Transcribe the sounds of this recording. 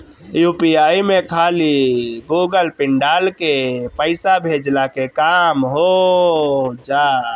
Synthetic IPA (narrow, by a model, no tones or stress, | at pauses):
jupiaimekʰaliɡuɡəlpɪɳɖalkepəɪsabʱed͡ʒlakekamɦo | d͡ʒa